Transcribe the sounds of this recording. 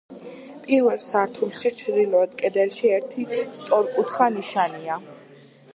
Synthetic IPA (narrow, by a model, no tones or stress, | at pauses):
pʼiɾvɛlˠsaɾt̪ʰulʃit͡ʃʰd̪ilɔɛd̪kʼɛd̪ɛlʃiɛɾt̪ʰist̪ʼɔɾkʼut̪χaniʃania